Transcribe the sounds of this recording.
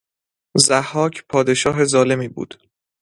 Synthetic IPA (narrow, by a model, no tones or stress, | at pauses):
zæhːɒːcʰpʰɒːd̪e̞ʃɒːɦe̞zɒːle̞miːbṵːd̪̥